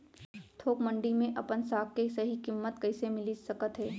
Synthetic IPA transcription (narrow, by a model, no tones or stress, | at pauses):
t̪ʰoːkmə̃ɳɖimẽʔɐpənsaːkkesɐɦikɪmːət̪kɐɪsemɪlisɐkət̪ɦɛː